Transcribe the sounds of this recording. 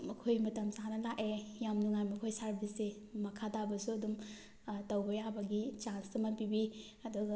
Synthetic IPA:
mɐkʰojmɐtɐmzanɐlakejamnuŋajmɐkʰojsaɾbʱise | mɐkʰatabɐsuɐdum | tɐwbɐjabɐɡit͡ʃanstɐmɐpibi | ɐduɡɐ

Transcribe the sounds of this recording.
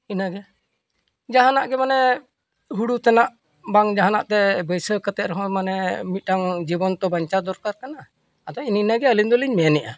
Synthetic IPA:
inaɡɛ | d͡ʒaɦanaʔɡɛmanɛ | ɦuɽut̪ɛnaʔ | baŋd͡ʒaɦanaʔt̪ɛbəjsəkət̪ɛʔ̪ɾɔɦɔ̃manɛmit̪̚ˀʈaŋd͡ʒibɔnt̪ɔbaɲt͡ʃat̪̚d̪ɔɾkaɾkanaː | d̪ɔininaɡɛəlind̪ɔliɲmɛnɛʔa̰

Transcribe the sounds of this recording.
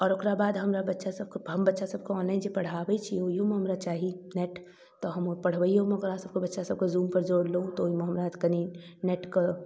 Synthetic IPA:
ɔːɾʊkɾabaːd̪ɦɐmɾabɐtːʃasɐb̚kɦɐmbɐtːʃasɐb̚koɔ̃ːnlaːɪnd͡ʒepɐɽ̤aːʋeit͡ʃʰioiɦomeɦɐmɾat͡ʃaːɦinɛʈ | t̪oɦɐmpɐɽ̤ʋəiɦomɐɡəɾãːsɐb̚kobɐtːʃasɐb̚kozuːmpɐɾd͡ʒoːɽloũt̪oːimẽɦɐmɾad̪kɐninɛʈko

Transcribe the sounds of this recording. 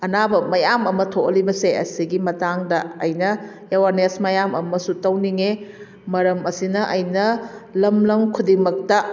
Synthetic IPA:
ɐnabɐmɐjamɐmɐtʰokɐlibɐseɐ̰siɡimɐtaŋdɐːjnɐ | ewaɾnesmɐjamɐmɐsutɐwniŋe | mɐɾɐmɐsinɐʔɐjnɐlɐmlɐmkʰudimɐk̚tɐ

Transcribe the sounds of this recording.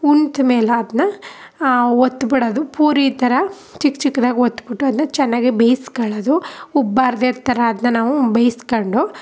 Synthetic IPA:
unt̪umeːlɐːd̪ɐnːɐ | ot̪ːbiɽɐd̪upuːɾit̪ɐɾɐ | t͡ʃikːt͡ʃikːɐd̪aːɡiot̪ːubiʈːuɐd̪ɐnɐt͡ʃɛnːaːɡibejskɐɭɐd̪uubːaːɾd̪eɽt̪ɐɾɐːd̪nɐnaːʋubejskoɳɖu

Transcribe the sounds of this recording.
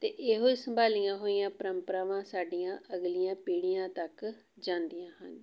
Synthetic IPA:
t̪eːʔeɦoːiːsəmbʱaːlijãːɦoːijãːpəɾəmpəɾaːʋãːsaːɖijãːʔəɡlijãːpiːɽijãːt̪ək | d͡ʒãːnd̪ijãːɦə̰n

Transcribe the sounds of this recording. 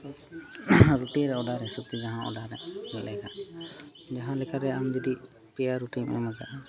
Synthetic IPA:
ɾuʈiɾɛɔɖaɾɛsup̪id͡ʒaɦãʔɔ̰ɖaɾɛmɛlɛɡaʔ | d͡ʒaɦãlɛkʰaɾɛamd͡ʒɔd̪i | pɛjaɾuʈiŋɔ̰mɔɡa

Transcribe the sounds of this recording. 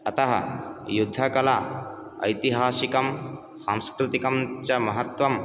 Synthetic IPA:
ɐt̪ɐɦɐ̰jud̪ʱːɐkɐla | ɐ̰jt̪iɦaːsikɐm | sãmskɾit̪ikɐmt͡ʃɐmɐɦɐt̪ʋɐm

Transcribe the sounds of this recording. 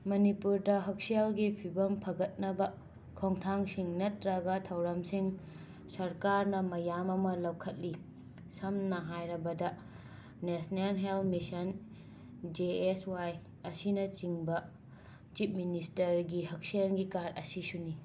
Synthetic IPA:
mɐnipuɾdɐɦɐk̚sielɡipʰibɐmpʰɐɡɐt̚nɐbɐ | kʰoŋtʰaŋsiŋnɐtɾɐɡɐtʰɐwɾɐmsiŋ | sɐɾkaɾnɐmɐjamɐmɐlɐwkʰɐt̚li | sɐmnɐɦajɾɐbɐdɐ | nesnelɦelmisɐn | d͡ʒeeswaj | ɐsinɐt͡ʃiŋbɐ | t͡ʃip̚ministɐɾɡihɐk̚sielɡikaɾɐ̰sisuni

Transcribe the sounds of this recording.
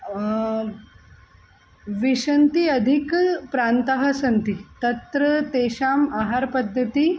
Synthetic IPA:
ʋiʂənt̪iɐd̪ʱikpɾant̪ɐɦɐsɐnt̪it̪ɐt̪ɾət̪eːʃaːmaɦaɾpɐd̪ʱːət̪i

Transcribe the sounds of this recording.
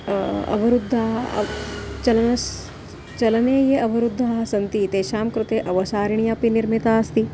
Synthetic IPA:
ɐ̰ʋɐɾud̪ʱːaːɦ | t͡ʃɐlɐnɐs | t͡ʃɐlɐneːjeʔɐʋɐɾud̪ʱːaɦɐsɐnt̪it̪eːʃaːmkɾut̪eːʔɐʋɐsaːɾiɳijaːpiniɾmit̪aːst̪i

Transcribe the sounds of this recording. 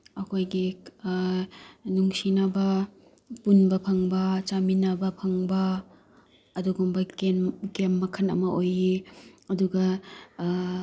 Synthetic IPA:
ɐkʰojɡi | nuŋsinabɐ | punbɐpʰɐŋbɐt͡ʃaminabɐpʰɐŋbɐː | duɡumbɐkenkemːɐkʰɐnɐ̰mɐʔojiɐduɡɐ

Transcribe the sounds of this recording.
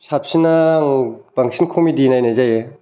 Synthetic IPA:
sap̚sinaŋb̥aŋsʰinkʰomidinajnajzaje

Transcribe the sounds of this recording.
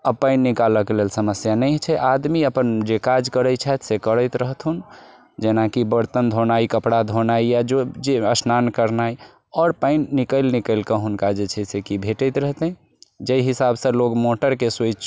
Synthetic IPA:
əbpəɪnːikaləkelelsəməsjanɛt͡ʃʰɛʔad̪miəpənd͡ʒekad͡ʒkəɾət͡ʃʰɛt̪sekəɾəɪt̪ɾəɦt̪ɦun | d͡ʒenakibəɾt̪ənd̪ʱonaikəpɽad̪ʱonaijad͡ʒod͡ʒeəsnankəɾnaj | ɔːɾpəɪnːikəlnikəɪlkəɦunkad͡ʒet͡ʃʰɛsekibʱeʈət̪ɾəɦt̪ə̃ĩ | d͡ʒəjɦisabsə̃loɡmoʈəɾkeset͡ʃʰ

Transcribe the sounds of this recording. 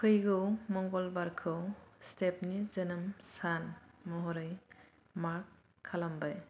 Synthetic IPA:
kʰɯjɡɯwmɔŋɡɔlbaɾkʰɯwstep̚nizenɯmsanmɔɦɔɾɯj | maɾkʰː | alambaj

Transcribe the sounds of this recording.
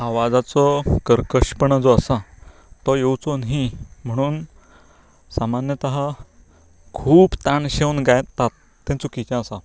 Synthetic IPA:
aʋad͡zat͡sɔkəɾkəɕpəɳad͡zɔəsa | t̪ɔjewt͡sonɦim̤əɽ̃uːn | samanjət̪əɦa | kʰuːbt̪ãɳɕewnɡajt̪at̪ːɛ̃t͡sukit͡ɕjãəsa

